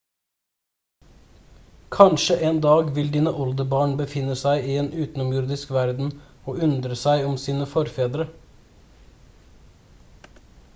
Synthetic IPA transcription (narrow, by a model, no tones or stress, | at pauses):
kʰɑnʃəʔeːnd̪ɑːɡʋɪld̪iːnəʔɔld̪əbɑːɳbəfɪnːəsæɪʔɪeːnʉːt̪n̩ɔmjʊɾd̪ɪskʋæɾd̪n̩ | oːʉnd̪ɾəsæɪɔmsiːnəfɔɾfeːd̪ɾə